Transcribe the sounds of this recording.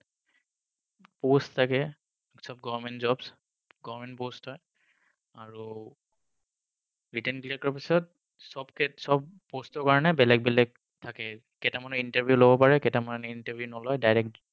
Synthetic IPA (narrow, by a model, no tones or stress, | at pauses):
posttʰːakɛ | sɔb̚ɡɔvɔɹmɛntzɔbs | ɡɔɹmɛntpostʰɔj | aɹu | ɹitɛnkliakɔɹpisɔt̚ | sɔbkɛsɔbpostɔɹkaɹɔnɛbɛlɛk̚bɛlɛk̚ | tʰakɛ | kɛtamanɔintaɹbʱjulobɔpaɹɛkɛtamanɔnintaɹbʱjunɔlɔjdajɹɛk̚t